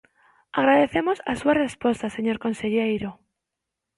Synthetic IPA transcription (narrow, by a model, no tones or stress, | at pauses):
aɣɾaðeθemosasuarespost̪aseɲoɾkonseʎejɾo